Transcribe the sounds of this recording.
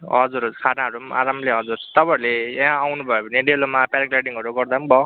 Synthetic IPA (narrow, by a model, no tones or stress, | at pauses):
ɦʌd͡zuɾsʰanaɦʌɾuma̰ɾamleɦʌd͡zurt̪ʌpãɾleɦãawnubʱʌepʌneɖelomapaniklaɖiŋɦʌɾuɡʌrd̪ambʌ